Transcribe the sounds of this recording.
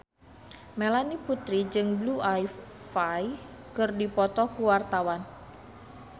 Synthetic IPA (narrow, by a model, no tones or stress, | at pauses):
melaniput̪ɾid͡ʒɨŋbluʔaj | faj | kɨrdipɔt̪ɔkuwart̪awan